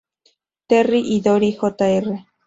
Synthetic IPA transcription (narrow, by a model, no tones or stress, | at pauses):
t̪eriʔid̪oɾixot̪aere